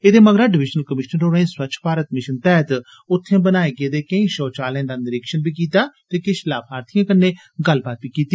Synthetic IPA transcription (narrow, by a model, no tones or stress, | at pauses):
eːd̪eːməɡɾaːɖɪʋɪd͡ʒnəlkəmɪʃnənɾoːɾẽːswət͡ʃʰpaːɾət̪mɪʃənt̪ɛːt̪ | ʊt̪ʰːẽːbənaːeːɡeːd̪eːkəĩːʃɔːt͡ʃaːlɛ̃ːd̪aːnɪɾɪkʃənbiːkiːt̪aːt̪eːkɪʃlaːpɦaːɾt̪ʰijãːkənːeː | ɡəlbaːt̪̚biːkiːt̪iː